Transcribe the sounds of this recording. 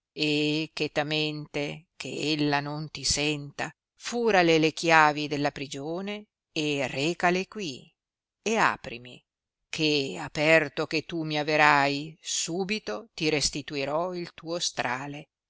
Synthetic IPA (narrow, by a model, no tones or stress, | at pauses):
ek̟et̪ament̪ek̟ʰḛelːanont̪isɛnt̪a | fuːɾalelekjaːvid̪elːapɾid͡ʒoːneː | reːkalekwi | ea̰ːpɾḭmḭ | kʰeapɛrt̪ok̟et̪ːumiaveɾajsuːbit̪ot̪iɾest̪it̪uiɾɔilt̪uːost̪ɾʔaːle